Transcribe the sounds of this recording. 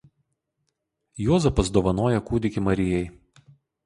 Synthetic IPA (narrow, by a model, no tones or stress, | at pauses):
juːzɐpɐsd̪oːʋɐnoːjɛkuːd̪ʲɪkʲɪmɐɾʲɪjɛɪ